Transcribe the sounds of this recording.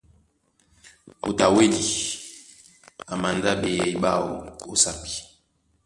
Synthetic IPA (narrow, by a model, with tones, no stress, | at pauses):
mu˨ta˨we˦li˨ | a˨ma˨nda˦be˨jɛ˨i˦ɓa˦˨wo̰˨o˦sa˦pi̥˨